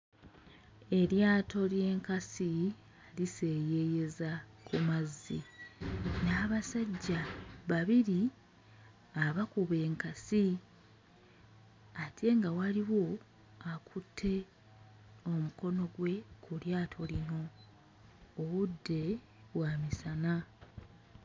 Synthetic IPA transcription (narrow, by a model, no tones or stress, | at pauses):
e̞ɾjaːto̞lje̞ːŋkasi | alise̞ːje̞je̞zakʰumazːḭ | naːβasaɟːaβaβiɾi | aβakuβe̞ːŋkasi | atʰe̞ŋɡawaliwo̞ | akʰutʰːe̞ | o̞muko̞no̞ɡwe̞kuljaːtʰo̞lino̞ | βudːe̞ | βwamisana